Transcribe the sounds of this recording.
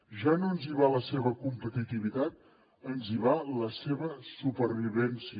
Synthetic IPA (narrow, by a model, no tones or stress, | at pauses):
ʒanonziβaləseβəkumpət̪it̪iβit̪at̪̚ | ənziβaləseβəsupəɾβiβɛnsi